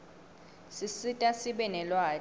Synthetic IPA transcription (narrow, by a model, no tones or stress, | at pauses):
sisitʼasiɓɛnɛlwaː